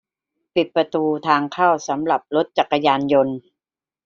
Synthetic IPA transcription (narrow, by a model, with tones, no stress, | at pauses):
pi˨˩t̪̚pɾa˧t̪uː˧t̪ʰaː˧ŋkʰaː˥˩wsa˩˦mɾa˨˩p̚lo˦˥t̪̚t͡ɕa˨˩kːa˧jaː˧njo˧n